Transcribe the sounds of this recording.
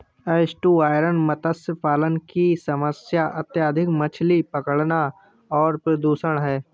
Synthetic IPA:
eːsʈuːaːɪɾənmət̪əsəpaːlənkisɐməsjaʔət̪jaːd̪ʱɪkmət͡ʃʰlipəkəɽna | ɔːɾpɾəd̪uːʃəɽ̃ɦɛː

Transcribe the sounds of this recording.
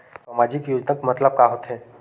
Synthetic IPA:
saːmaːd͡ʒɪkjoːd͡ʒnəkmət̪ləb̚kaɦot̪ɦɛ̃ː

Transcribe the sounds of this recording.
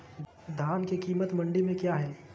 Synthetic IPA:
d̪ʱaːnkekiːmət̪mɐ̃ɳɖimẽkjaːɦɛː

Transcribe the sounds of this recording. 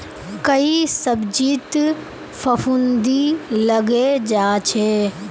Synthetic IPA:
kɐisɐbd͡ʒiːt̪ | fɐfund̪ilɐɡed͡ʒaːt͡ʃʰeː

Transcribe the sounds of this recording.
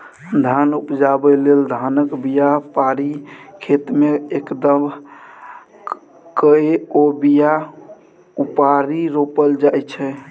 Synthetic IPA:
d̪ʱanupd͡ʒabɛleld̪ʱanəkbijapaɾikʰet̪meekd̪əm | kəeobija | upaɾiɾopəld͡ʒajt͡ʃʰɛ

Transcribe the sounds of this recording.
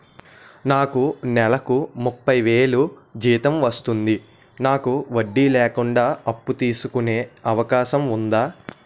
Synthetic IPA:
naːkunɛlɐkumupːɐjʋe̞ːɭud͡ʒiːt̪ɐmʋɐst̪und̪i | naːkuʋɐɖːilɛːkuɳɖaːɐpːut̪iːsukune̞ːɐʋɐkaːʃɐmund̪aː

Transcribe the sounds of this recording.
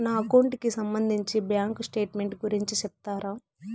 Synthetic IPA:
naːɐkɐwɳʈkisɐmbɐnd̪ʱiɲt͡ʃibjaːŋksʈe̞ːʈme̞ɳʈɡuɾiɲt͡ʃit͡ʃɛp̚it̪aːɾaː

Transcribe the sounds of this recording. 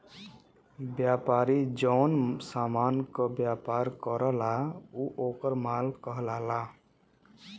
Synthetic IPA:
bjapaɾid͡ʒɔʊnsamankəbjapaɾkəɾəlauʔoːkəɾmalkəɦlala

